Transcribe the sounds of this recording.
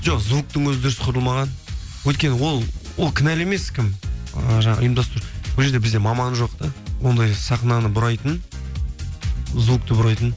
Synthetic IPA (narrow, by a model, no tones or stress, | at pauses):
ʒoqzuk̚t̪əŋwɵzɪd̪ɪɾɪsqʰʊɾəlˠmɑʁɑnwɵjt̪̚kʲe̞nɪwo̞lˠwo̞lˠkʲʰɪnæle̞me̞skʲʰɪməʒɑɴɑ̰ʔʊjəmd̪ɑst̪ɾuwolˠʒe̞ɾd̪e̞bɪzd̪e̞mɑmɑnʒo̞qt̪ɑwo̞nd̪ɑjsɑχnɑnəbʊɾɑjt̪ən | zuk̚t̪əbʊɾɑjt̪ən